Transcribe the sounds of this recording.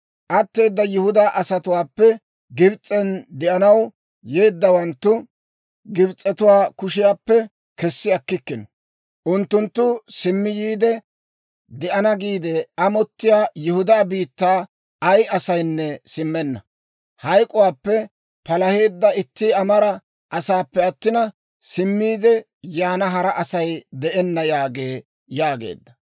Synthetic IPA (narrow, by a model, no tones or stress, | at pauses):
ʔɐt̪ːe̞ːd̪ːɐjʊhʊd̪aʔɐsɐt̪ʊwaːpːɛ | ɡɪbt͡sʼɛnd̪ɛʔɐnɐw | je̞ːd̪ːɐwɐnt̪ːʊ | ɡɪbt͡sʼːɛt̪ʊwaːkʊʃɪjaːpːɛ | kɛsːɪɐkːɪkːɪnɔ | ʔʊnt̪ːʊnt̪ːʊsɪmːɪjiːd̪ɛ | d̪ɛʔɐnɐɡiːd̪ɛɐmɔt̪ːɪjaːjɛhʊd̪aːbiːt̪ːaː | ɐjʔɐsɐjnːɛsɪmːɛnːɐ | hɐjkʼʊwaːpːɛ | pɐlɐhe̞ːd̪ːɐɪt̪ːiɐmɐɾɐ | ʔɐsaːpːɛɐt̪ːɪnɐ | sɪmːiːd̪ɛ | jaːnɐɦɐɾɐʔɐsɐjd̪ɛʔɛnːɐjaːɡe̞ː | jaːɡḛːd̪ːɐ